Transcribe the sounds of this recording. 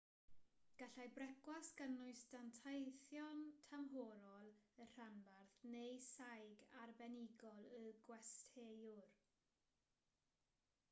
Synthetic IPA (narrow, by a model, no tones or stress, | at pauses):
ɡ̥aɬajbrɛkwasɡ̥ənʊɨsd̥antʰajθjɔntʰamɦɔːɾɔlˠər̥anvarθnejsajɡarbɛnɪɡɔlˠəɡwɛstheːjʊr